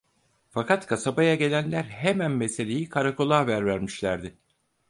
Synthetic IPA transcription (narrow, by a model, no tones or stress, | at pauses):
fakʰat̪kʰasabajaɟe̞lʲænlʲæɾɦemænme̞se̞lʲe̞jikʰaɾako̞lˠaːvæɾvæɾmiʃlʲæɾd̪ɪ